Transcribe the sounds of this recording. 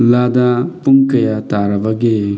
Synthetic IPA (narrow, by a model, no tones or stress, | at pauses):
ladapuŋkɐjataɾabaɡe